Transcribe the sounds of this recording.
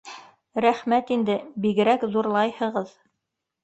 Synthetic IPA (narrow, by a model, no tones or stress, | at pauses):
ɾæχmæt̪ind̪ɘbiɡɘ̆ɾækðuɾlˠɑjhɤ̆ʁɤð